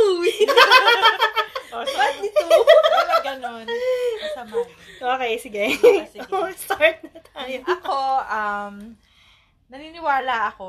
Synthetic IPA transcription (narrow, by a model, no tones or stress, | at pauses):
uːwi | oɐt̪nɪt̪u | ɡɐnonɐb | ʔoːkɛjsɪɡɛ | st̪aɹt̪̚ɐt̪ajɐkoʔɐm | nɐninɪwaːlɐʔɐko